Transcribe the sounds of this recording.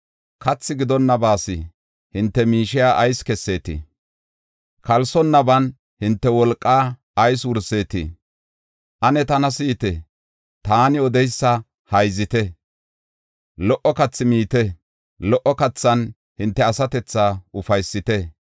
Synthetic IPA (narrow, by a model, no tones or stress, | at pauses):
kɐt͡sːɪɡɪd̪ɔnːɐbaːsɪ | hɪnt̪ːɛmiːʃɪjaːʔɐjskɛsːe̞ːt̪ɪ̰ | kʰɐlsɔnːɐbɐn | hɪnt̪ːɛwɔlkʼːaː | ɐjs̬wʊɾse̞ːt̪ɪ̰ | ʔɐnɛt̪ɐnɐsiːt̪ɛ | t̪aːnɪɔd̪ɛjsːɐ | hɐjzɪt̪ɛ | lɔʔɔkɐt͡sːɪmiːt̪ɛ | lɔʔɔkɐt͡sːɐn | hɪnt̪ːɛɐsɐt̪ɛt͡sːaːʔʊfɐjsːɪt̪ɛ